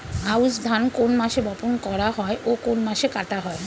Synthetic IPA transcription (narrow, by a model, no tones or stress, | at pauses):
ausd̪ʱankonmaʃebɔponkɔɾaɦɔeʔokonmaʃekat̪aɦɔe